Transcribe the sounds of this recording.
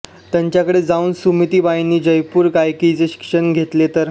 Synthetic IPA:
t̪jaɲt͡ɕjakəɽed͡zauːnsumit̪iːbainːiːd͡ʑəjpuːɾkajkit͡seɕi̥kʂəɳɡʱet̪let̪əɾ

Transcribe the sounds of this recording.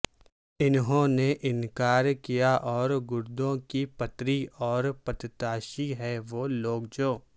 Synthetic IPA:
ɪnɦõneʔɪnkaːɾkijaʔɔːɾɡʊɾd̪õkipɐt̪ɾiɔːɾpɐt̪t̪aːʃiɦɛʋoːloːɡ̚d͡ʒoː

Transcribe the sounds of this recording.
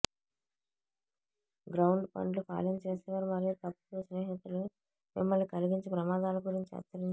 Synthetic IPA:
ɡɾɐwɳɖpɐ̰ɳɖlupa̰ːlɐmt͡ʃeːsɛːʋaːɾumɐɾit̪ɐpːu̥ʈusnɛːɦit̪ulu | mimːɐlːikɐliɡiɲt͡ʃipɾɐmaːd̪aːlɐɡuɾiɲt͡ʃiɐ̰t̪ːɐɾiɲ

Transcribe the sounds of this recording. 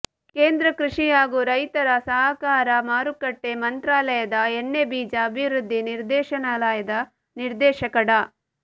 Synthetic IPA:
keːnd̪ɾɐkɾuʂijaːɡuɾɐjt̪ɐɾɐsɐɦɐkaːɾɐmaːɾukɐʈːe̞mɐnt̪ɾaːlɐjɐd̪ɐeɳːebiːd͡ʒɐːbʱiʋɾud̪ʱːiniɾd̪ɛːʃɐnaːlaːjɐd̪ɐ | niɾd̪ɛːʃɐkɐɽɐ

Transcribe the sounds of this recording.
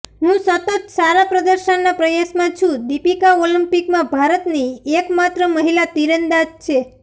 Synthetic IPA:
ɦũsət̪ət̪saɾapɾəd̪əɾʃənːapɾəjasmãt͡ʃʰũd̪ipikaolimpikmãbʱaɾət̪niekmat̪ɾəməɦilat̪iɾənd̪ad͡ʒt͡ʃʰe

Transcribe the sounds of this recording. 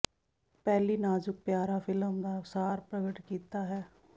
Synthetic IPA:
pɛːliːnaːd͡ʒʊk̚pjaːɾaːfʰɪləmd̪aːsaːɾpɾəɡəʈkiːt̪aːɦɛː

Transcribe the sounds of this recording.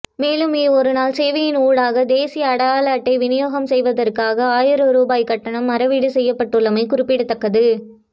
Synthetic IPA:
meːlɯmiɔɾɯnaːlsɛːʋɐjɪnuːɽaːɣɐd̪eːsɪjɐːɽɐaːlaːʈːɐɪʋɪnɪjoːɣɐmsɛjʋɐðɐrkaːɣɐaːjɪɾɯɾuːbaːjkɐʈːɐɳɐmːɐɾɐʋiɽɯsɛjːɐpːɐʈːɯɭːɐmɐɪkʊɾɪpːɪɽɯt̪ːɐkːɐðɯ

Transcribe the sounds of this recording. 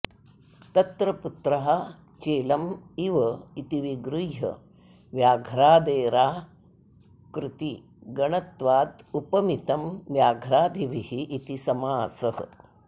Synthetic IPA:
t̪ɐt̪ɾɐput̪ɾɐɦɐ | t͡ʃeːlɐmiʋɐit̪iʋiɡɾujɦɐ̰ | ʋjaːɡʱɾaːd̪eːɾaː | kɾɪt̪i | ɡɐɳɐt̪ʋaːd̪upɐmit̪ɐmʋjaːɡʱɾaːd̪ʱiʋihiʔːt̪isɐmaːsɐhɐ̰̆

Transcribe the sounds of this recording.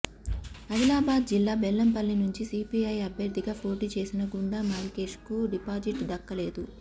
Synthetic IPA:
ɐʋilaːbaːd̪̚d͡ʒilːaːbelːɐmpɐlːinuɲt͡ʃisiːpiɐjɐbʱjɐɾd̪ʱiɡaːpʰo̞ːʈiːt͡ʃe̞ːsinɐɡuɳɖaːmaːɾike̞ːʂkuɖipaːd͡ʒiʈd̪ɐkːɐle̞ːd̪u

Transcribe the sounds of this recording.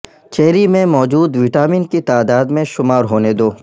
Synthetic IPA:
t͡ʃeɦɾimẽmɔːd͡ʒuːd̪ʋɪʈaːminkit̪aːd̪aːd̪mẽʃʊmaːɾɦoːned̪oː

